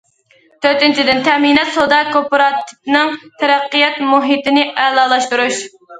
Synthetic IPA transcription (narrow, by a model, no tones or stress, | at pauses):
t̪ʰøɾt̪ɪnt͡ʃʰid̪ɪnt̪ʰɛminɛt̪sod̪ɑkopoɾɑt̪ʰɪ̥p̚nɨŋt̪ʰɛɾæqːijɛt̪muɦit̪ɪnɪʔælˠɑːlˠɑʃt̪uɾuʃ